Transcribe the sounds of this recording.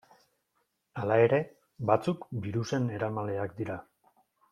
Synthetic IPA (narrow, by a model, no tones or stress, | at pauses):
alae̞ɾe̞ | bat͡sukbiɾuse̞ne̞ɾamale̞akd̪iɾa